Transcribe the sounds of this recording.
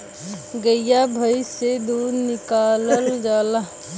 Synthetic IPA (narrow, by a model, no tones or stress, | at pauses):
ɡəɪjabʱəised̪uːɾnɪkaːləld͡ʒaːla